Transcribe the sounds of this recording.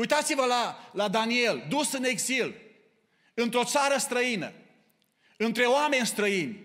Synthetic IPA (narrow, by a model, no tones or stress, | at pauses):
ujt̪at̪sivəlalad̪anie̞ld̪usɨneɡzil | ɨnt̪ɾo̞t̪saɾəst̪ɾəinə̰ | ɨnt̪ɾe̞oame̞nʲst̪ɾəinʲ